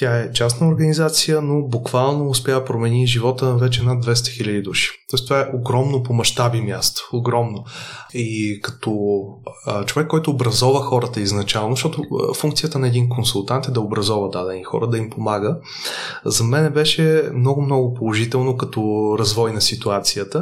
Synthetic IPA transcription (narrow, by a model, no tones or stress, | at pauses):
t̪ʲaɛt͡ʃasnəoɾɡɐnizat̪sijənobukvalˠnoːspʲjapɾomɛniʒivɔt̪əvɛt͡ʃɛnad̪vɛs̬t̪ɛ̥xilʲəd̪id̪uʃi̥t̪ɔɪst̪ovaɛʔoɡɾɔmnopomɐʃt̪abimʲjast̪o̥oɡɾɔmnoikɐ̥t̪ɔ | t͡ʃovɛkːɔjt̪ʊːbɾɐzɔvəxɔɾət̪əiznɐt͡ʃalˠnoʃt̪ɔt̪ofuŋkt̪siət̪ənɐɛd̪inkonsulˠt̪ant̪ɛd̪ɐobɾɐzɔvəd̪ad̪ɛnixɔ̰ɾəd̪ɐimpomaɡə | zɐmɛnɛbɛʃɛmnɔɡʊmnɔɡʊpolˠoʒit̪ɛlˠnokɐt̪ɔɾɐzvɔjnɐsit̪uat̪sijət̪ə